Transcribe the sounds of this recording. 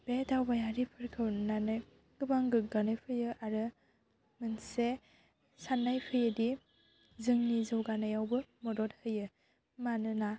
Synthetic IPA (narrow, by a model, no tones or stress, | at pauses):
b̥edawbajaɾipʰɯɾkʰɯwnanɯ | ɡ̥ɯbaŋɡɯɡanɯjpʰɯjɯʔaɾɯ | mɯnse | sanːajpʰɯjɯdi | zɯŋnizɯwɡanajawbɯmɔdɔt̚hɯjɯ | manɯna